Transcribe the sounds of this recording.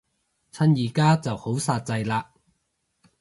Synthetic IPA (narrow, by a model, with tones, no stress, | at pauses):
t͡sʰɐ˧˥njiː˨˩kaː˥t͡sɐ˨who˨˥wsaː˧t̚t͡sɐ˧jlaː˧